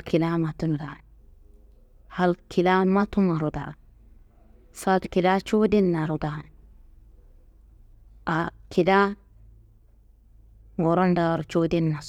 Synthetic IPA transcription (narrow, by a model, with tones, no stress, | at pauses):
lki˨la˦ma˨tu˦nda˨ | ha˨lkʰi˨la˦ma˦tu˦ma˨ɾu˨da̰˨ | sa˦t̪ki˨la˦t͡ʃo˦di˦nːa˨ɾu˨da˨ | akʰi˨la˦ | wo˨ɾa˦nda˨ɾt͡ʃo˦di˦nːa˨s